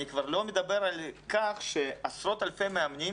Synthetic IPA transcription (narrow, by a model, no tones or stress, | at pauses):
ikvaʁlo̞med̪abe̞ɾalkaχʃeasɾo̞t̪alpemeamni